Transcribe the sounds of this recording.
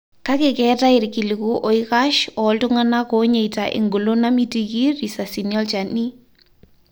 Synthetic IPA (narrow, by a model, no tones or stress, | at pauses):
kakɪkɛtaɪɾkilikuʔɔikaʃɔltʊŋanakɔɲeitaʔɪ̰ŋɡulonamitikiɾisasiniɔlt͡ʃani